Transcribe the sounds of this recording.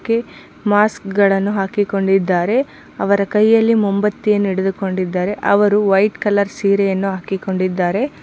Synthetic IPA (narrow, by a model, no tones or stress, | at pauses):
kːe | maːskɡɐɭɐnːuɦaːkiko̞ɳɖid̪ːaːɾe̞ | ɐʋɐɾɐkɐjːɐlːimombɐt̪ːijenːiɽed̪uko̞ɳɖid̪ːaːɾe̞ʔɐʋɐɾuʋɐjʈkɐlɐɾsiːɾejɐnːuɦaːkiko̞ɳɖid̪ːaːɾe̞